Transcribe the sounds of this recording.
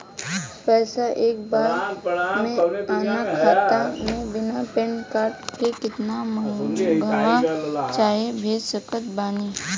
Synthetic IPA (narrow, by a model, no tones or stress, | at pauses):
pɛːsaʔek̚baɾmẽanakkʰat̪amẽbɪnapenkaɾʈkekɪt̪naməuɡʱəʋat͡ʃaɦebʱed̪səkət̪bani